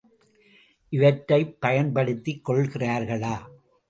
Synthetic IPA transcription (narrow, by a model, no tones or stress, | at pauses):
ʔɪʋɐʈːɐɪpːɐjɐnpɐɽɯt̪ːikːɔɭɣɪraːɾɣɐɭaː